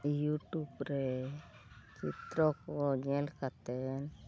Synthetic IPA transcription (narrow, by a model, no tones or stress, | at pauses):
juʈubɾe | t͡ʃit̪ɾɔkɔɲɛlkat̪ɛn